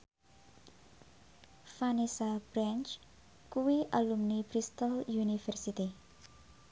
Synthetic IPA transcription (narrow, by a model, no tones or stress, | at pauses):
fanisab̥ɾant͡ʃ | kuwiʔalumnib̥ɾist̪ɔljunifɛrsit̪i